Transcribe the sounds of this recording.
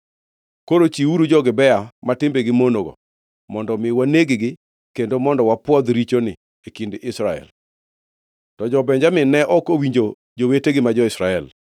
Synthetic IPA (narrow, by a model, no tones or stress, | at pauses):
koɾot͡ʃiuɾud͡ʒɔɡɪbɛamatɪmbeɡɪmonoɡɔ̰ | mɔndɔmɪwaneɡɪɡɪ | kendomɔndɔwapwɔd̪ɾit͡ʃonɪ | ekindɪʔɪsɾaɛ̰l | tɔd͡ʒɔbɛɲd͡ʒamɪnɛʔɔkowiɲd͡ʒo | d͡ʒoweteɡɪmad͡ʒɔɪsɾaɛl